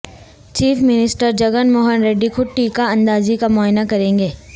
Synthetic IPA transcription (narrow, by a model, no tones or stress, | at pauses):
t͡ʃiːfmɪnɪsʈəɾd͡ʒɐɡənmoːɦənɾeːɖːikʰʊʈːikaɐ̃nd̪aːzikamɔːɦɪnakɐɾẽːŋɡeː